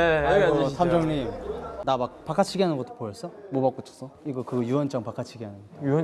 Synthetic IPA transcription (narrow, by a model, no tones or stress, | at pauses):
esʰamd͡ʑʌŋɲimnamak̚pak͈ʰat͡ɕʰiɡianɯnɡʌt͈o̥pojʌs͈ʌmobak͈ot͡ɕʰʌ̥s͈ʰʌiɡʌkɯɡjuwʌnt͡ɕ͈ʌŋpakʰat͡ɕʰiɡiɦanɯn | u